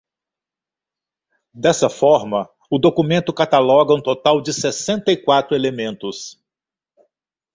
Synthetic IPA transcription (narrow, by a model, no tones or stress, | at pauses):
d̪ɛsɐfɔɾmɐ | ʊd̪okumẽnt̪ʊkat̪alɔɡɐũt̪ot̪awd͡ʒɪsesẽnt̪ɐikwat̪ɾʊelemẽnt̪ʊs